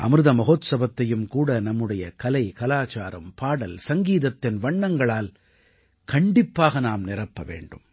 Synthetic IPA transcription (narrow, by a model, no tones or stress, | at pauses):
ʔɐ̰mɾɯðɐmɐɣoːt̪sɐbɐt̪ːɐjɯmkuːɽɐnɐmːɯɽɐjɐkɐlɐɪkɐlaːt͡ʃaːɾɐmpaːɽɐlsɐŋɡiːðɐt̪ːɪnʋɐɳːɐŋɡɐɭaːl | kɐɳɖɪpːaːɣɐnaːmnɪɾɐpːɐʋḛːɳɖɯm